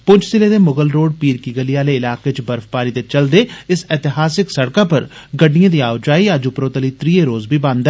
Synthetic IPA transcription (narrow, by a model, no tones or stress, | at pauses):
pʊd͡ʒsɪled̪emʊɡəlɾoːɖpiːɾkiɡəlijaːleɪlaːket͡ʃbɐɾfpaːɾit̪et͡ʃɐld̪eɪsɪt̪ɪɦaːsɪksɐɽkapɐɾ | ɡəɖijãd̪iaːʊd͡ʒaːiaːd͡ʒupɾoːt̪əlit̪ɾieɾoːzbʱibãːnd̪ɛ